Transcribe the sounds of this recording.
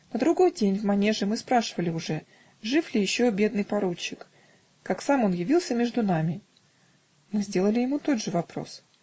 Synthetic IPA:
nəd̪ɾʊɡo̞jdʲenʲvmɐnʲe̞ʐɨmɨspɾaʂɨvəlʲɪʊʐɛ | ʐɨflʲɪjɪɕːobʲe̞d̪̚nɨjpɐɾut͡ɕːɪk | kaksamo̞njɪvʲilˠsʲəmʲeʐd̪ʊnamʲɪ | mɨzʲdʲe̞lˠəlʲɪjɪmut̪od̪ʐɨvɐpɾo̞̰s

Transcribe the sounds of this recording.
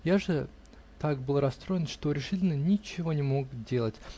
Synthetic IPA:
jaʐɨ | t̪ak̚bɨlˠɾɐst̪ɾo̞jɪnʂt̪o̞ɾʲɪʂɨtʲɪlʲnənʲɪt͡ɕɪvo̞nʲɪmo̞kdʲe̞lˠətʲ

